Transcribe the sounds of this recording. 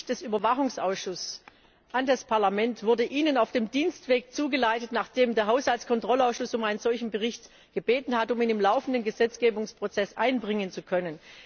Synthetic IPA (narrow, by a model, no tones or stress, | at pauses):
d̥ɛsyːbɐvaχʊŋsʔaʊsʃʊs | ʔandaspʰaɐlamɛntv̥ʊɐdəʔiːnənaʊfd̥eːmdiːnstv̥eːkt͡suːɡəlaɪtətnaːχd̥eːmdeːɐɦaʊshaltskʰɔntʁ̥ɔlaʊsʃʊsʊmaɪnənz̥ɔlçn̩bəʁɪçt | ɡ̥əbeːtn̩hatʊmiːnɪmlaʊfn̩dənɡəzɛt͡sɡ̥eːbʊŋspʁ̥ot͡sɛsʔaɪnbʁɪŋənt͡sukʰœnən